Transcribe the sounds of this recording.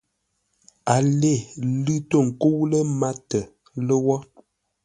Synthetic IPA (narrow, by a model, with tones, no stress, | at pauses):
a˨le˦˨lʉ˦to˦˨ŋ̩˨ko˦wlə˦ma˦tə˨ | lə˦wɔ˦